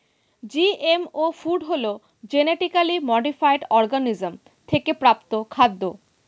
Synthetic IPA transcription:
d͡ʑiemofuɖɦolo | d͡ʑeneʈikalimɔɖifajɖɔɾɡanizm | t̪ʰekepɾapt̪okʰad̪ːo

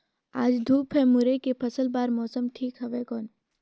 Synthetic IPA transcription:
aːd͡ʒd̪ʱuːpɦɛmʊɾekepʰɐsəlbaːɾmɔːsəmʈʰiːkɦɐʋekɔːn

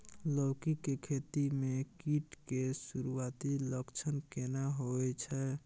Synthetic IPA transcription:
lɔwkikekʰet̪imekiʈkesuɾuat̪iləkt͡ʃʰənkenaɦoɛt͡ʃʰɛ

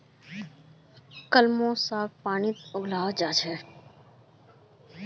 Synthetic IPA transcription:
kəlmõːsaːk̚paːnit̪ʊɡlaːd͡ʒaːd͡ʒɛː

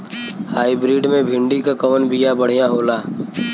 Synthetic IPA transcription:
haːibɾiːɖmẽbʱɪ̃ɳɖikakɐʋənbijabəɽ̤ijãɦoːlaː

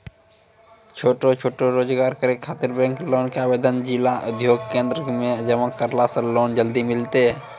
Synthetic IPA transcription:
t͡ʃʰoːʈot͡ʃʰoːʈoɾoːd͡ʒɡaːɾkəɾekʰaːt̪ɪɾbɛ̃ːŋkloːnkeaːbeːd̪ənd͡ʒilaʔʊd̪ʱjoːɡkẽːnd̪ɾəmẽd͡ʒəməkəɾlasəloːnd͡ʒəld̪imɪlt̪e

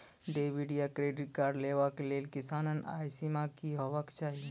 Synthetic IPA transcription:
ɖeːbiɖijakɾeːɖɪʈ̚kaːɾɖleːʋakeleːlkɪsaːnəna̰ːjsimakiɦoʋəkt͡ʃaːɦie

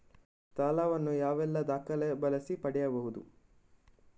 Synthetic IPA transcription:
t̪aːlaːʋɐnːujaːʋɛlːɐd̪aːkɐlɛbɐlɐsipɐɽɛjɐbɐɦud̪ṵ

